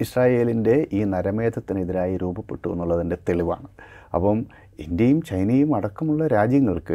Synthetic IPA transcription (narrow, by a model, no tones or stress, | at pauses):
iɕraːje̞ːlinde̞ʔiːnɐɾɐme̞ːd̪ʱɐt̪ːiniðiɾaːjiɾuːbɐpːeʈːuɣṵnːuɭːɐðinde̞t̪eɭiʋa̰ːɳɨ | ɐ̰pːɐm | indjɐjumt͡ɕɐjnɐjumɐɽɐkːɐmuɭːɐɾaːd͡ʑjɐŋːɐɭkɨ